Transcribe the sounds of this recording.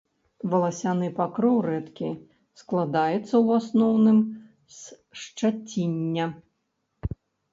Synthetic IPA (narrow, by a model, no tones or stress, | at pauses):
vɐlˠasʲanɨpakɾɔwrɛt̪kʲi | sklˠad̪ajɛt̪sːɐwasnɔwnɨm | s | ʂt͡ʂat͡sʲinʲːɐ